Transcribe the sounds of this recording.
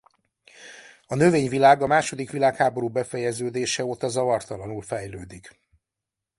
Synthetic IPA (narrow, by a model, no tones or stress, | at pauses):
ɒnøveːɲvilaːɡɒmaːʃo̞d̪ikʋilaːkhaːbo̞ɾuːbɛfɛjɛzøːd̪eːʃɛot̪ɒzɒvɒrt̪ɒlɒnulfɛjløːd̪ik